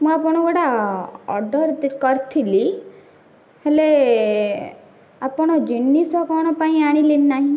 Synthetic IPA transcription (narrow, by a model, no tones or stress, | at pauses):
mũapɔɽ̃ɔɡɔɽaɔ̰ɾɖɔɾkɔɾt̪ʰili | hele | apɔɽ̃ɔd͡ʒinːisɔkɔɽ̃ɔpaĩaɽ̃ilinnaɦĩ